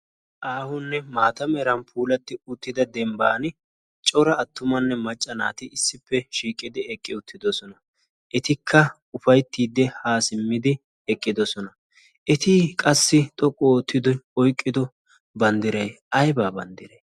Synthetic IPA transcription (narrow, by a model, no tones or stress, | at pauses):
ʔaːhʊnːɛmaːt̪ɐmɛɾɐnpʰuːlɐt̪ːɪʊt̪ːɪd̪ɐd̪ɛmbaːn | t͡ʃʼɔɾɐːt̪ːʊmɐnːɛmɐt͡ʃʼːɐna̰ːt̪ɪɪsːɪpːɛʃiːkʼɪd̪ɪɛkʼːɪʊt̪ʰːɪd̪ɔsɔnɐ | ʔɛt̪ɪkʰːɐ | ʊfɐjt̪ːiːd̪ːɛhaːsɪmːɪd̪ɪ | ɛkʼːɪd̪ɔsɔnɐ | ʔɛt̪ɪkʼɐsːɪt̪ʼɔkʼːɔt̪ːɪd̪ɔɔjkʼːɪd̪ɔ | bɐnd̪ɪɾɐjʔɐjbaːbɐnd̪ɪɾɐj